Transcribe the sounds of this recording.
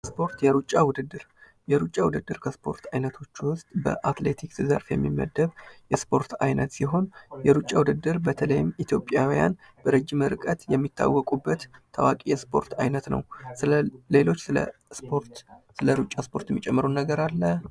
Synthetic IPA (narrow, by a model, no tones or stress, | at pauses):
spʰo̞ɾt̪jɛɾut͡ʃʼːawʊd̪ɨd̪ːɨɾ | jɛɾut͡ʃʼːawʊd̪ɨd̪ːɨɾkʰəspʰo̞ɾt̪ʰajnət̪ʰo̞t͡ʃːwʊst̪ʼbə̰ʔat̪le̞t̪ʰiksɨzə̰ɾfjɛ̰mːimːə̰d̪ːəβjɛspʰo̞ɾt̪ʰajnət̪siɦo̞njɛɾut͡ʃʼːawʊd̪ɨd̪ːɨɾbət̪ʰələjɪmit̪ʰjo̞pʼjawija̰n | bəɾəd͡ʒːimɨɾkʼət̪jɛmːit̪ʰːa̰wːɔkʼubːət̪ʰːawakʼijɛspʰo̞ɾt̪ʰajnət̪nə̰wsɨle̞lo̞t͡ʃːsɨ̰poɾt̪sɨləɾut͡ʃʼːaspʰo̞ɾt̪ɛmːit͡ʃʼɛmːəɾunːəɡəɾalːə